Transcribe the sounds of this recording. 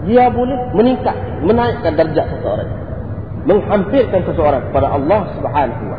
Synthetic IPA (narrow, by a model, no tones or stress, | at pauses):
diabolɛhməniŋkat̪̚ | mənaɪʔkandərd͡ʒaʔsəsəo̰ɾa̰ŋ | məŋhampɪrkansəsəoɾaŋkə̥padaʔɑlːɑhsubħaːnaɦuwa̰